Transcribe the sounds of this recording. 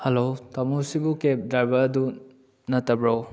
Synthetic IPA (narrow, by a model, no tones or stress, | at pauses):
helotɐmusibukep̚dajbɐɐdu | nɐtːɐbɾo